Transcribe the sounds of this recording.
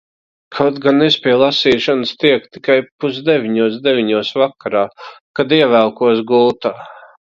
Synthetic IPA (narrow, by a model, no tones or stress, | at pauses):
kʰat̪ɡanːespʲiɛlˠasiːʃanəst̪iɛk̚t̪i̥kajpuzd̪evʲiɲuɔsd̪evʲiɲuɔsvakaɾaːkad̪iɛvælˠkuɔsɡult̪aː